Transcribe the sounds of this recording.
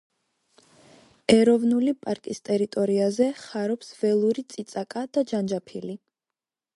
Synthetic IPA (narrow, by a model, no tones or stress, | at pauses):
ɛɾɔvnulipʼaɾkʼist̪ʼɛɾit̪ʼɔɾiazɛχaɾɔpsvɛlˠuɾit̪sʼit̪sʼakʼad̪̥ad͡ʒand͡ʒapʰili